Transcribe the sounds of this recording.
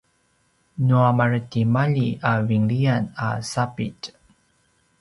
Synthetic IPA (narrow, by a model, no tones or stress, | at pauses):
nuamaɹətimaʎiaviŋɭiana̰sapit